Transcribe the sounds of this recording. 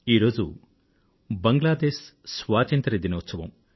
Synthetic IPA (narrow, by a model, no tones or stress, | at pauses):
iːɾo̞ːd͡ʒu | bɐŋɡlaːd̪eːssʋaːt̪ɐnt̪ɾɐɾed̪inɐːt̪sɐʋɐ̰m